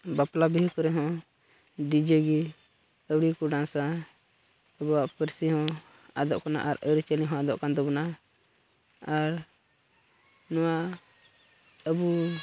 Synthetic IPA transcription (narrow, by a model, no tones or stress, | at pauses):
baplabiɦkɔɾɛɦɔ̃ | ɖid͡ʒəɡi | əwɽikuɖãsa | əbɔaʔpəɾsiɦɔ̃ | ad̪ɔ̰ʔkɔna̰ʔaɾəɾt͡ʃəlĩɦɔ̃ad̪ɔʔkand̪ɔbɔna | aɾ | nɔwaʔ | əbu